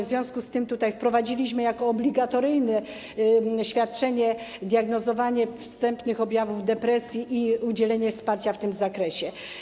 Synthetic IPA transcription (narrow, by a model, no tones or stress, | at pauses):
vzʲjɔ̃w̃skust̪ɘmt̪ut̪ajfpɾɔvad͡ʑilʲiɕmɘjakɔːblʲiɡat̪ɔɾɘjnɛ | ɕfʲjat̪̚t͡ʂɛɲɛd̪ʲjaɡnɔzɔvaɲɛfst̪ɛmpnɘxɔbʲjavuvd̪ɛpɾɛsʲjiʔiud͡ʑɛlɛɲɛfspaɾt͡ɕaft̪ɘmzakɾɛɕɛ